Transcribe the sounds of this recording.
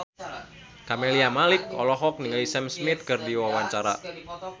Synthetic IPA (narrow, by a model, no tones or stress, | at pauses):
kameliamalikɔ̰lɔɦɔk̚niŋalisɛmsmit̪̚kɨrdiwawaɲt͡ʃaɾa